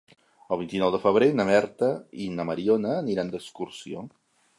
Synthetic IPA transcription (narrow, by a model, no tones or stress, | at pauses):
əlˠβint̪inɔwðəfəβ̞ɾenəβɛɾt̪əinəməɾionəːniɾand̪əkskursio